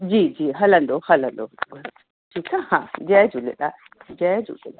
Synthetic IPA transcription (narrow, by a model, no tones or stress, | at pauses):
d͡ʒid͡ʒiɦalandohalando̰ɡa | d͡ʒikahãḭd͡ʒaad͡ʒulḛɗa | id͡ʒajad͡ʒṵlḛɗa